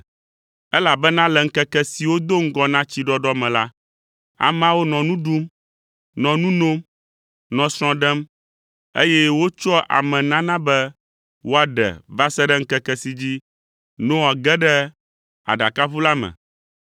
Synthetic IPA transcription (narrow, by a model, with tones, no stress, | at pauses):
ɛ˦la˨bɛ˦nã˦lɛ˨ŋ̩˦kɛ˦kɛ˦si˨wo˦d̪o˦ŋ̩˦ɡɔ˦nã˦t͡ɕi˦ɖɔ˦ɖɔ˦mɛ̃˨la˦ | a̰˨m˦ã˦wo˦nɔ̃˨nũ˦ɖu˦m | nɔ̃˨nũ˦no˦m | nɔ̃˨sɾ̃ɔ̃˨ɖɛ˦m | e˦jɛ˦wo˦t͡ʃɔ˦ʔa̰˨mɛ̃˨nã˦nã˦bɛ˦ | wo˦a˨ɖɛ̰˨va˦sɛ˦ɖɛ˦ŋ̩˦kɛ˦kɛ˦si˨d͡ʑi˦ | nõ˦a˨ɡɛ˦ɖɛ˦ | a̰˨ɖa˨ka˦βu˦la˦mɛ̰̃˨